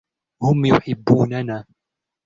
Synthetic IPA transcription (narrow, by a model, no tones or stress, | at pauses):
hʊmjʊħɪbːuːnanaː